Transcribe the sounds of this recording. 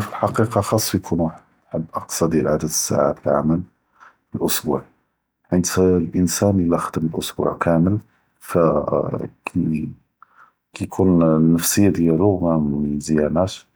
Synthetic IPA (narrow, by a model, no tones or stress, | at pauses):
filħɑqiqɑxɑsˤːfijkʰunw | ħəbːʔəq̚t̪sˤɑd̪jælʕad̪əd̪əsːa̰ʕa̰fiʕa̰mæl | əlʔʊsbṵʕ | ħind̪lʔənsænəlæxəd̪əməlʔʊsbṵʕkæməl | fæ | kæjkʰunnːəfsəjːad̪jælumæmzəjænæʃ